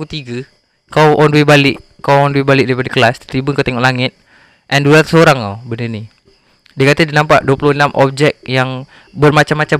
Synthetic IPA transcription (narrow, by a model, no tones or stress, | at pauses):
ut̪iɡə | kawʔɔnwebalɪʔ | kawɔndwebalɪʔ̚daɾipadəkəlast̪t̪ɾibəŋkat̪eŋɔʔlaŋɪt̪̚ | ʔɛndulat̪səoɾaŋo̰bəndəni | diəkat̪ədinampa̰ʔduəpulʊhnamʔɔ̰p̚d͡ʒɛk̚jaŋ | bərmat͡ʃamːat͡ʃa